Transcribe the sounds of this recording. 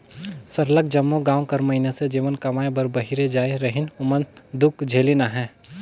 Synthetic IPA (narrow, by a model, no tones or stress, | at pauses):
sɐɾlək̚d͡ʒɐmːoɡãːw̃kɐɾmɐɦɪnesed͡ʒiːʋənkɐmaːebɐɾbɐɦiɾed͡ʒaːeɾɐɦɪnʊmənd̪ʊkd͡ʒʱeːlinaɦɛ̃ː